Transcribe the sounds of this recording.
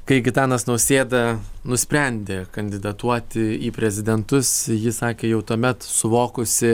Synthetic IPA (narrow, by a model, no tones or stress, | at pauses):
kɐɪɡʲɪt̪ɑːnɐsnɐʊsʲeːd̪ɐnʊsʲpʲɾʲɛnʲd̪ʲekɐnʲd̪ʲɪd̪ɐt̪uɔt̪ʲɪiːpʲɾʲɛzʲɪd̪ʲɛnt̪ʊsjɪsɑːkʲeːjɛʊt̪uɔmʲɛt̪sʊʋoːkʊsʲɪ